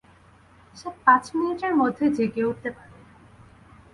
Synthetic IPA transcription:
ʃepãt͡ɕminiʈeɾmod̪ʱːed͡ʑeɡeuʈ̚t̪epaɾe

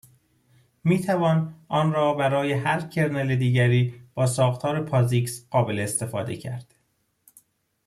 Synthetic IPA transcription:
miːt̪ʰævɒːnʔɒːnɾɒːbæɾɒːjehæɾcʰe̞ɾneled̪iːɟæɾiːb̥ɒːsɒːxt̪ʰɒːɾepʰɒːziːksɢɒːbeleːst̪e̞fɒ̰ːd̪e̞̰cʰæ̰ɾd̪̥

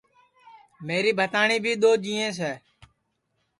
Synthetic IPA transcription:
meːɾiːbʱət̪aːɳiːbʱiːɗ̪oːd͡ʒiːẽːs̬ɛː

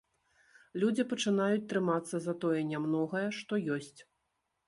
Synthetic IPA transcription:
lʲud͡zʲipɐt͡ʂɨnajut͡sʲt̪ɾɨmat̪sːɐzɐt̪ɔjɛnʲamnɔɣɐjɛʂt̪ɔjɔsʲt͡sʲ

